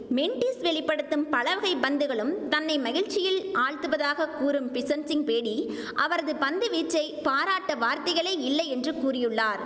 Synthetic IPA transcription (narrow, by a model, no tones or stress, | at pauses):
mɛɳʈisʋɛɭɪpːɐɽɯt̪ːɯmpɐɭɐʋɐɣɐɪbɐnd̪ɯɣɐɭɯmt̪ɐnːɐɪmɐɣɪɻt͡ʃɪjɪlʔaːɻt̪ɯʋɐðaːɣɐkuːɾɯmpɪsɐnsɪnpeːɽi | ʔɐʋɐɾɐðɯpɐnd̪ɯʋiːʈrɐɪpaːɾaːʈːɐʋaːɾt̪ɐɪɣɐɭɐːɪlːɐɪɛndrɯkuːrɪjɯɭːaːɾ